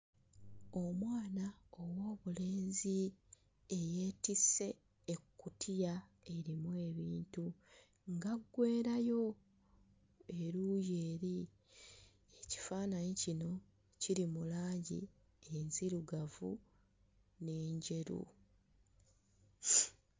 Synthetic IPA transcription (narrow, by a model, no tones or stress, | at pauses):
o̞mwaːnaowo̞ːβule̞ːnzi | ejeːtise̞ː | kːutʰija | e̞ɾimwe̞ːβiːntu | ŋɡaɡːwe̞ːɾajo̞ | e̞ɾuːjeːɾi | eci̥faːnanicino̞ | ciɾimulaːɲɟḭ | enziɾuɡavṵ | ne̞ːɲɟe̞ɾṵ